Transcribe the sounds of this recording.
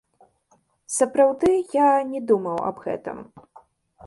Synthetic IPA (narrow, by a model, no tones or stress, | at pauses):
sɐpɾawd̪ɨjanʲɛd̪umɐwɐ̰bɣɛ̰t̪ɐ̰m